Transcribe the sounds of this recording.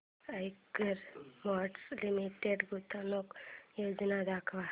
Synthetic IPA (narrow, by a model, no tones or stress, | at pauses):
əjkəɾmaɖslimiʈeɖɡʱut̪anokjoːd͡ʒnad̪akʰʋa